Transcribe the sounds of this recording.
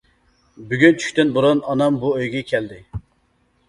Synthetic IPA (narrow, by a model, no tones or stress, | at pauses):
byɡʲynt͡ʃʰy̥kʲt̪ɪnbuɾunɑnɑmbuøjɡʲɛkʲʰɛld̪ɪ